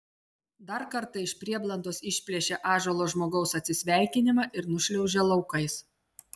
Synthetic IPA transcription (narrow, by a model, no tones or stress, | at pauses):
d̪ɐɾkɐɾt̪ɑɪʃʲpʲɾʲiɛblˠɐnd̪oːsɪʃʲpʲlʲiɛʃʲeʔɑːʒoːlˠoːʒmoːɡɐʊsɐt̪ʲsʲɪsʲʋʲæˑɪkʲɪnʲɪmɑʔɪɾnʊʃʲlʲɛʊʒʲeːlˠɒʊkɐɪs